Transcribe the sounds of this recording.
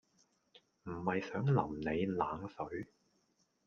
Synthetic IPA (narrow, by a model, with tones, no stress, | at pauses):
m̩˨˩hɐ˨jsœː˨˥ŋlɐ̰˨˩mne˨˧jla̰ː˨˥ŋsɵ˨˥ɥ